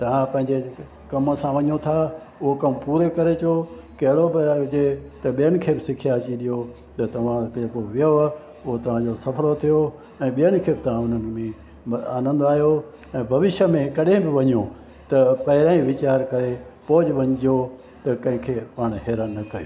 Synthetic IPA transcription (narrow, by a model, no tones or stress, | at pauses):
t̪ɐʋ̤ãpɐ̃ɦɪ̃ɲd͡ʑe | kɐməsãʋɐɲot̪ʰa | ʊɦokɐmpuːɾekɐɾet͡ɕokɐɦɪɽobd͡ʑet̪ɐɓijənɪ̆kʰeːbɪsɪkʰijat͡ɕiɗijo | t̪ɐt̪ɐʋ̤ãd͡ʑekoʋijoa | ʊɦot̪ɐʋ̤ãd͡ʑosɐfʰlot̪ʰijo | ɛ̃ːɓijənɪ̆kʰeːbɪt̪ɐʋ̤ãʊnən̆mẽ | aːnə̃nd̪oaːɦijo | ɛ̃ːbʱɐʋɪʃəmẽkɐɗɪ̃bɪʋɐɲũ | t̪ɐpɐɦɪɾãːĩʋɪt͡ɕaːɾkɐɾepoːd͡ʑʋɐ̃ɲɪd͡ʑo | t̪ɐkɐ̃ɦɪ̃kʰeːpaːɽ̃ɦeːɾənːɐkɐjiː